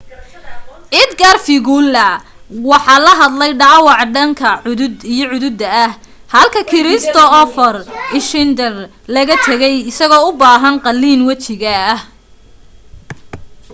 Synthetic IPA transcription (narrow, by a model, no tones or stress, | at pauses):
ʔɪd̪ɡarfɪɣuːlːɐ | wɑħɑːlɐɦɐd̪lɛjɖɑːwɑʕɖɐŋkʰɐʕʊðʊd̪ijɞʕʊðʊd̪ɐɐh | hɐlkʰɐkʰɪɾɪst̪ʰɔɔfɔrɪʃɪnd̪ɛr | lɐɣɐt̪ʰɐɣɛjɪsɐɣɔːʊbaːɦɐnqɑlːiːnwɐt͡ʃɪɣɐh